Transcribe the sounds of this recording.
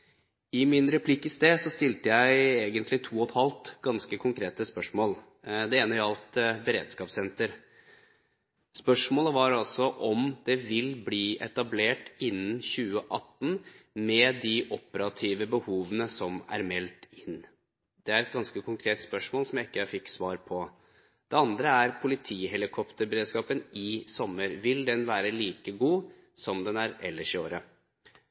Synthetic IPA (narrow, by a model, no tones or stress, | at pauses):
ɪmɪnɾɛpʰlɪkːɪst̪eːsɔst̪ɪlt̪əjæɪeːɡənt̪lɪt̪ʰuːɔt̪hɑlt̪ɡɑnskəkʰʊŋkʰɾeːt̪əspœʂmoːl | d̪ɛeːnəɑlt̪bəɾḛːd̪skɑːpsɛnt̪əɾ | spœʂmoːləʋɑɾɑlsɔʔɔmd̪̥ɛʋɪlbliːʔɛt̪ɑbleːʈɪnːənçʉːəʔɑt̪ːnmɛd̪ɪʔɔpəɾɑt̪ʰiːʋəbəhuːʋənəsɔmæ̰ɾmɛlt̪ɪn | d̪̥ɛæɾɛt̪̚ɡɑnskəkʰʊŋkʰɾeːt̪spœʂmoːlsɔmjæɪkːəjæɪfɪkːsʋɑːɾpʰɔ | d̪̥ɛɑnd̪ɾəæɾpʰʊlɪt̪ʰiːhɛlɪkʰɔpt̪əɾbəɾeːd̪skɑːpənɪsɔmːəɾʋɪld̪ɛnʋæːɾəliːkəɡuː | sɔmd̪ɛnæɾɛ̰lːəʂo̰ːɾə